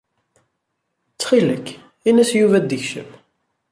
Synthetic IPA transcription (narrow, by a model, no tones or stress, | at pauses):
t͡sːχiləkː | inæsjuvæd̪əçʃə̰m